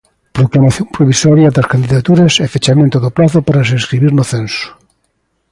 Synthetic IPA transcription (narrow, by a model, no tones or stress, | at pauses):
pɾoklamaθjompɾoβisɔɾjaðɐskand̪iðat̪uɾɐsɛfet͡ʃamẽnt̪oðoplaθʊpaɾas̬eskɾiβiɾnʊθensʊ̥